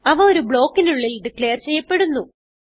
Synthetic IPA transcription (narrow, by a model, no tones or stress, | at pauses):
ɐʋɐo̞ɾubɭo̞ːkːinuɭːilɖikɭeːrt͡ɕe̞jːɐpːe̞ɽunːu